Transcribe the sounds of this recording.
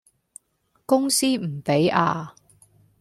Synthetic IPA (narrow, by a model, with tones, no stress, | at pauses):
kʊ˥ŋsiː˥m̩˨˩pe˨˥jaː˧